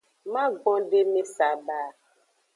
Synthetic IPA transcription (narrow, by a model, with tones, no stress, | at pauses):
ma˦ɡ͡bɔ̃˦de˦mi˦sa˨baː˨